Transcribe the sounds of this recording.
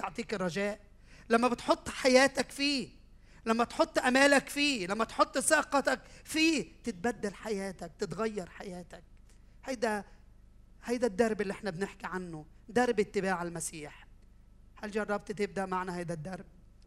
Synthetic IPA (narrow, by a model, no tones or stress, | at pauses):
oʕt̪ˤiːkɪrˤːɑʒæːʔ | lamːæbɪt̪ħot̪ˤːħajæːt̪akfiː | lamːæt̪ħot̪ˤːʔamæːlakfiːlamːæt̪ħot̪ˤːsɑːqɑt̪akfiːt̪ɪt̪̚bad̪ːalħajæːt̪ak̚t̪ɪt̪ɣajːɑɾˤħajæːt̪ak̚ | hajd̪æ | hajd̪æd̪ːɑɾˤbɪlːiʔɪħnabnɪħkiʕanːʊ | d̪ɑɾˤbɪt̪ːɪbaːʕalmasiːħ | halʒɑrˤːɑb̚t̪ˤit̪ɪb̚d̪aʔmaʕnahajd̪æd̪ːɑɾˤb̚